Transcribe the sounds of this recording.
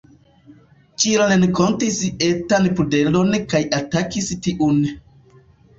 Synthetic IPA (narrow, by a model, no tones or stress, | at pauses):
t͡ʃiɾanenkontisetanpudelonkajatakistiʔun